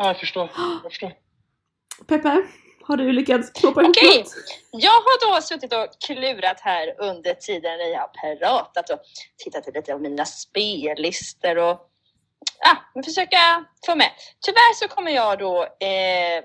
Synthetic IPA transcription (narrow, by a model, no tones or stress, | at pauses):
ɑːjafəʂʈoːɾfo | pʰɛpːɛ | haɖɵlʏkːat̪skʰnoːpːaɪɔupkʰɛt̪jɑːɡɦaɖɔsɵt̪ːɪt̪ɔkʰlʉ̟ːɾat̪hæːɾɵnd̪əʈʰiːd̪ənnæɾjɑhapʰɾɑːt̪at̪ɔt̪ʰɪt̪ːat̪ːəliːt̪əpɔmːiːnaspeːlɪst̪əɾɔ | ɑmɛnfœʂøːkafoːmɛt̪ʰʏvæːɾʂɔkʰɔmːəɾjɑːɡd̪ɔ